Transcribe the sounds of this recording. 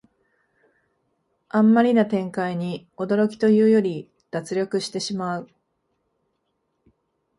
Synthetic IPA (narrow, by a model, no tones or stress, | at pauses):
ãmːaɾʲinat̪ẽ̞ŋkaiɲ̟io̞d̪o̞ɾo̞kʲi̥t̪o̞jɯ̟ːjo̞ɾʲi | d̪̥at͡sɨɾʲo̞kɯ̟ɕi̥t̪e̞ɕimaɯ̟